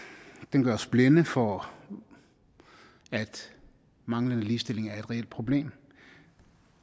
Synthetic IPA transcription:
d̥enɡ̥ɶɐsb̥lenəfɒ | æd̥ | mɑ̈ŋlənəliːsd̥e̝l̰e̝ŋæɐe̥ʁɛel̰d̥̚pʰʁo̝b̥le̝̰ːm

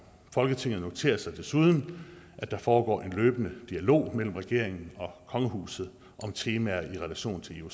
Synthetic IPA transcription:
fɒ̽lɡ̥ət͡sʰe̝ŋ̰ð̩ˠno̝t͡sʰe̝̰ːɐsɑ̈ɪd̥e̝suð̞ˠn̩ | ʔæd̥ɑ̈fɒːɡ̥ɒ̰ːʔe̝nløːb̥ənəd̥iælo̝̰ːmel̰m̩ʁɛɡ̥e̝ɐ̰e̝ŋn̩ɒ̽kʰɒ̽ŋəɦṵːsð̞̩ˠ | ʔɒ̽mt͡sʰe̝ːmæɐiʁɛlæɕo̝̰ːn̩t͡sʰe̝leu

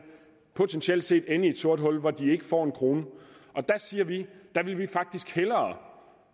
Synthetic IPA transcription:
pʰo̝t͡sʰensel̰d̥se̝̰ːd̥enəie̝d̥so̝ɐ̰d̥ɦɒ̽l̰ʋɒd̥ie̝ɡ̥əfɒ̰ːe̝nkʰʁo̝ːnəʔɒ̽d̥æsiːɐʋid̥æʋe̝lʋifɑ̈ɡ̥̚d̥isɡ̥helɐː

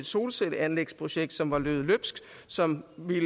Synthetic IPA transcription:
ed̥so̝ːlsed̥əænleɡ̥spʰʁo̝ɕeɡ̥̚d̥sɒ̽mʋɑ̈løːðˠløb̥sɡ̥ | sɒ̽mʋil

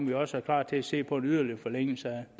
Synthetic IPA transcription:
mʋiɒ̽səæɐklɑ̰̥̈ːt͡sʰe̝æse̝̰ːpʰɒ̽e̝nyð̞ˠɐlifɒ̽leŋ̰l̩səæd̥

